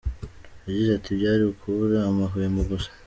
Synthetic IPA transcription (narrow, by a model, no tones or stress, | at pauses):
jaɟizatʰibjaːɾiukʰuɾaːmaɦujemuɡusḁ